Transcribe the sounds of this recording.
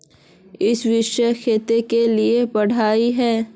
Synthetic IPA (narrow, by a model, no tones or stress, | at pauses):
ɪsʋɪʃəxʰeːt̪ekeliepɐɽ̤aːiɦɛː